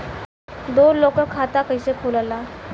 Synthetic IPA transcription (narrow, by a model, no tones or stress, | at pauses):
d̪oɾlokəkʰːat̪akəjsekʰolala